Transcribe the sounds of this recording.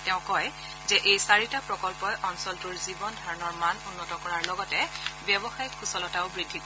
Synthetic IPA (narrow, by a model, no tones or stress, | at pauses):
tɛʊ̃kɔj | zɛʔejsaɹitapɹɔkɔlpɔjʔɔnsɔltuɹzibɔndʱaɹɔnɔɹmanunːɔtɔkɔɹaɹlɔɡɔtɛbjɛbɔxajikʰːusɔlɔtaʊbɹidʱːik